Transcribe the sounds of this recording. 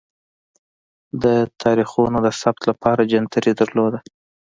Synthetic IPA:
d̪ət̪ʰɑɾixunod̪əsab̚t̪lapɑɾad͡ʒant̪əɾid̪əɾlod̪a

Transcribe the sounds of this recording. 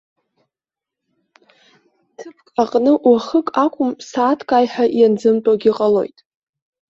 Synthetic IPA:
tʰɨpʰkʼaqʼnɨʔwaχəkʼakʷʰʼʊmsaːtʰkʼaːjħaʔjand͡zɨmtʼaɡʲiqʼalo̞̰jtʼ

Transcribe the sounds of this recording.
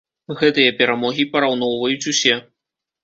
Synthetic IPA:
ɣɛt̪ɨjɐpʲɛɾamɔɣʲipɐɾawnɔwvɐjut͡sʲusʲɛ

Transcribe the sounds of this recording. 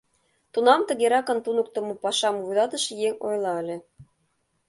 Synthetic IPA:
t̪unɑmt̪ə̆ɣeɾɑkɤ̆nt̪unə̆k̚t̪ɤ̆mupɑʃɑmuvud̪ɑt̪ə̆ʃjeŋʲo̰jlˠɑə̆lʲĕ

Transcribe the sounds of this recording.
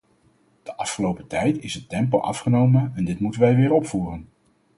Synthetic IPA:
d̥əʔɑfχəlowpətɛjtɪsətɛmpo̰ʔɑ̰fχənowmənɛndɪtmutənʋɛjʋɪːɹɔpfuːrən

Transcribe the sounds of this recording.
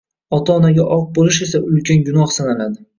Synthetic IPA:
ɒt̪ʰaːnaɡʲaʔɒq̚bolɪʃe̞saʊlkʲʰanɡʊnɒχsanalad̪ɪ

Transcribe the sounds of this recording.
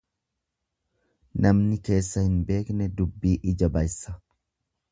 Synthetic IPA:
nɐmnɪke̞ːsːɐhɪnbe̞ːknɛd̪ʊbːiːʔɪd͡ʒɐbɐjsːɐ

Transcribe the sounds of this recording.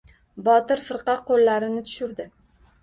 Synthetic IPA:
bɒt̪ɪɾfɪɾqɑqʰːolːaɾɪnɪt̪ʰʊ̥ʃʊɾd̪ɪ

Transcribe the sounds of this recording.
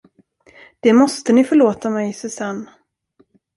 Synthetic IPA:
d̪̥ɛmɔst̪ənɪfœɭoːt̪amɛjsɛsanː

